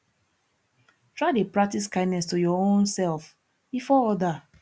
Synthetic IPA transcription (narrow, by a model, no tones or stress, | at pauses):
tɹaɪdepɹak̚tiskãɪ̃ndnɛstojɔõnsɛlf | bifɔɔda